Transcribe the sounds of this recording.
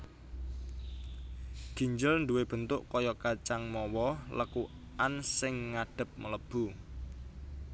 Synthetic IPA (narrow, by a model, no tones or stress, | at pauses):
ɡ̥i̤ɲd͡ʒəlnd̪uweb̥ə̤nt̪ʊʔkɔjɔkat͡ʃaŋmɔwɔləku | ʔansɪŋːaɖ̥ə̤p̚mələb̥u